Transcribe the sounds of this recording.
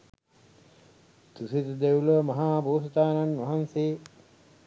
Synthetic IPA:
t̪usit̪əd̪euləʋəmɐɦaːboːst̪aːnanːʋɐɦanseː

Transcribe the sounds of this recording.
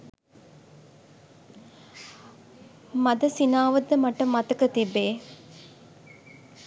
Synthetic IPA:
mɐd̪ɐsinaːʋɐd̪ːəmɐʈəmɐt̪ɐkət̪ibːeː

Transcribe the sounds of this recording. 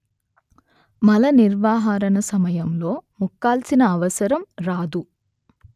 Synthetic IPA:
mɐlɐniɾʋaːɦaːɾɐnɐsɐmɐjɐmlo̞ːmukːaːlsinɐːʋɐsɐɾɐmɾaːd̪u

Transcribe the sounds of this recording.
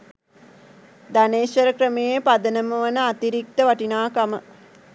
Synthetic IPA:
d̪aneːʃʋɐɾəkɾəmejepad̪ənəməʋɐnəat̪iɾik̚t̪əʋaʈinaːkamə

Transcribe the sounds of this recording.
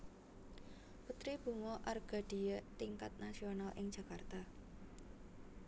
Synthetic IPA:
put̪ɾib̥ṳŋɔʔarɡ̥a̤ɖ̥i̤jət̪iŋkat̪̚nasionalʔɪŋd͡ʒ̥a̤kart̪a

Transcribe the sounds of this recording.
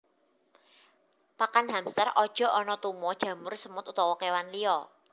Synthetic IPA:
pakanɦamst̪ərɔd̥ʒ̥ɔ̤ɔnɔt̪umɔd̥ʒ̥ä̤mʊrsəmʊt̪ut̪ɔwɔkewanliɔ

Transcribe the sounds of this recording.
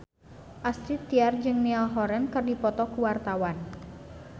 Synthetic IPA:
ʔast̪ɾit̪ːiard͡ʒɨŋnialɦɔɾɛnkɨrdipɔt̪ɔkuwart̪awan

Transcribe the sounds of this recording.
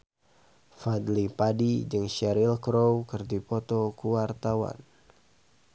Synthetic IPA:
fad̪lipadid͡ʒɨŋʃɛɾilkɾowkɨrdipɔt̪ɔkuwart̪awa̰n

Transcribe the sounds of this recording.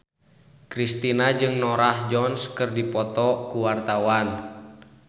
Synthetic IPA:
kɾist̪inad͡ʒɨŋnɔɾahd͡ʒɔnskɨrdipɔt̪ɔkuwart̪awan

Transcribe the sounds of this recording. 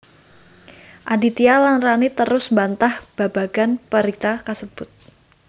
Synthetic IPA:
ʔadit̪ialanranit̪əɾʊsmbant̪ahb̥ab̥aɡ̥anpəɾit̪akasəb̥ʊt̪̚

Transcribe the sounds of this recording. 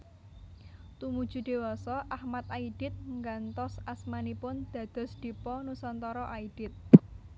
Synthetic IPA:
t̪umud̥ʒ̥ṳd̪̥e̤wɔsɔʔahmat̪aiɖ̥ɪt̪̚ŋɡant̪ɔsasmanipʊnd̪̥ä̤d̪̥ɔ̤sd̪̥ipɔnusɔnt̪ɔɾɔʔaid̥ɪt̪̚

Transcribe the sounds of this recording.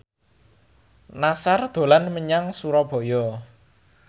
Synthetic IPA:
nasard̪̥o̤lanməɲaŋsuɾɔb̥ɔ̤jɔ

